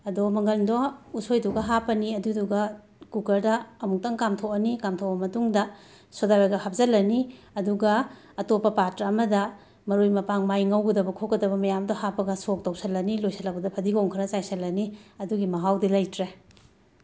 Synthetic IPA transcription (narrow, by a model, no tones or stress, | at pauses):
ɐdomɐŋɡɐlmdousojduɡɐɦapɐniɐduduɡɐ | kukɐɾdɐɐmuk̚tɐŋkamtʰokɐnikamtʰowbɐmɐtuŋdɐ | sodaweɡɐhap̚zɐlːɐni | ɐduɡɐː | topːɐpatɾɐɐmɐdɐ | mɐɾojmɐpaŋmajŋɐwɡɐdɐbɐkʰokɐdɐbɐmɐjamdohapɐɡɐsok̚tɐwsɐlːɐnilojsʰɐlɐk̚pɐdɐpʰɐdiɡoŋkʰɾɐt͡ʃajsɐlːɐniɐduɡimɐɦawdilɐjtɾe